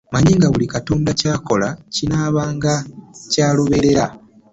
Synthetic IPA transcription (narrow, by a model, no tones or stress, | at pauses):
maɲiŋɡaβulikatoːndacaːko̞lacinaːβaːŋɡacaːloβe̞ɾe̞ɾa